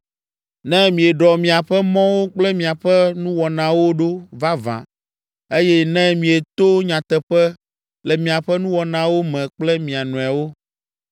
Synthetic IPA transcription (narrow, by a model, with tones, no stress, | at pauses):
nɛ̃˦mĩ˨e˨ɖɔ˨mĩ˨a˨ɸɛ˦mɔ̃˦wo˦k͡plɛ˦mĩ˨a˨ɸɛ˦nũ˦wɔ˨nã˨wo˦ɖo˦va˦vã̰˨ | e˦jɛ˦nɛ̃˦mĩ˨e˨t̪o˦ɲã˨t̪ɛ˨ɸɛ˦ | lɛ˨mĩ˨a˨ɸɛ˦nũ˦wɔ˨nã˨wo˦mɛ̃˨k͡plɛ˦mĩ˨a˨nũ˨a˨wo˦